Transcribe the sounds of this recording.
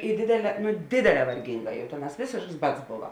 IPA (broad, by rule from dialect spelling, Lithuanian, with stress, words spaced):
ɪ ˈdʲeːdʲeːˌlʲɛː ˈdʲeːdʲeːˌlʲɛː ʋɐrʲˈɡʲɪŋˌɡɑː jɛʊ ˈtʲeːˌnɑːs ˈʋʲeːsʲeːʃks ˈbɐts ˈboːʋɐ